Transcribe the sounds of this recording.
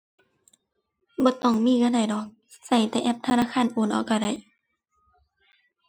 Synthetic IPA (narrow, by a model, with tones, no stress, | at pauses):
bɔː˧˦t̪ɔː˧˩ŋmiː˧˥˨kaː˧˥˨da˧˩jdɔ˨˦k̚ | sa˧˩jt̪ɛː˧ʔɛ˧˦p̚t̪ʰa˧naː˧˨xʰaː˧˥˨nʔoː˧˩˨nʔa̰˧˩wkaː˧˩da˧˩j